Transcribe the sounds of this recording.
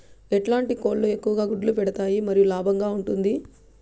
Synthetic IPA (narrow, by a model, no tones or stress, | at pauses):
eʈlaːɳʈiko̞ːllue̞kːuʋɐɡaːɡuɖɐlupɛɽɐt̪aːjimɐɾijulaːbʱɐŋɡaːuɳʈund̪i